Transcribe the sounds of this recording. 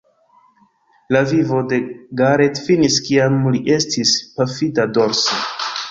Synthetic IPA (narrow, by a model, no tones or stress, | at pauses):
lavivo̞de̞ɡaɾe̞tfiniskiamliʔe̞stispafidado̞ɾso